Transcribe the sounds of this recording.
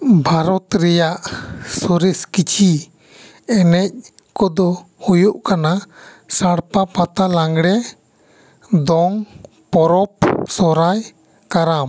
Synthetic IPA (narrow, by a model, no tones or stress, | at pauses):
bʱaɾɔt̪ɾɛjaʔsɔɾɛskit͡ʃʰi | ɛnɛc̚ | kɔd̪ɔhujuʔkana | saɽpapat̪alaŋɡɽɛ | d̪ɔŋ | pɔɾɔp̚sɔɾaj | kaɾam